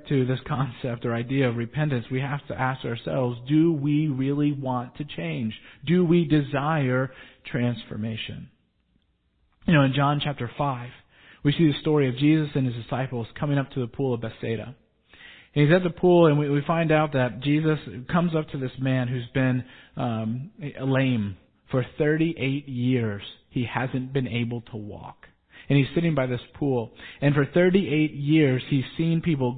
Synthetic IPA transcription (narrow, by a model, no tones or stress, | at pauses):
tʰɨðɪskʰɑ̃nsɛp̚tə˞aɪdiɨʌvɹɨpʰɛ̃ntɨ̃nswiɦæftʰɨ̰ʔæskəə˞sɛ̰lˠvzdɨwiɹɪlˠiwɑ̃ntʰɨt͡ʃʰẽɪ̃nd͡ʒdɨwidɨzaɪə˞tʰɹ̥æ̃nsfə̰˞meɪʃɨ̰̃n | jɨnoʊɨ̃nd͡ʒɑ̃nt͡ʃʰæp̚tə˞faɪv̥ | wisiðɨstɔɹiʌvd͡ʒizɨsɨ̃nɨzdɨsaɪpl̩ˠz̥kʰʌ̃mɪ̃ŋʌp̚tʰɨðəpʰulˠʌvbɛseɪɾɨ̰ | ɨ̃nizɨt̪̚ðəpʰulˠə̃nwiwifãɪ̃ndaʊt̪̚ðɨt̚d̥ʒ̥izɨskʰʌ̃mzʌp̚tʰɨðɪsmæ̃nɦʉzbɪ̃n | əlẽɪ̃m | fə˞θɜ˞ɾiʔeɪt̚jɪɹz̥hihæzɨ̃nb̥ɨ̃neɪbl̩ˠtʰəwɔ̰k | ɨ̃niz̥sɪɾɪ̃ŋbaɪðɪspʰulˠɨ̃nfə˞θɜ˞ɾiʔeɪt̚jɪɹz̥iz̥sĩnpipl̩ˠ